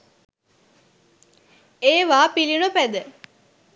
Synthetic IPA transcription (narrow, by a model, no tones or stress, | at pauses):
eːʋaːpilinupæd̪ə